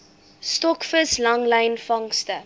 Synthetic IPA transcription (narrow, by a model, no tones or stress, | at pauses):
stɔkfəslɐŋlɛjnfɐŋstə